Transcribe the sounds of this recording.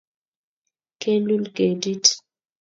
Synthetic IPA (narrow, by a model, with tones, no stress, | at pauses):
ke˦lu˦lɡe˨di˦t